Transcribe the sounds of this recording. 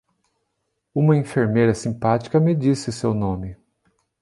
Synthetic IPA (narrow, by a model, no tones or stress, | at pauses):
ũmɐĩfeɾmejɾɐsĩpat͡ʃi̥kɐmɪd͡ʒisɪsewnõmɪ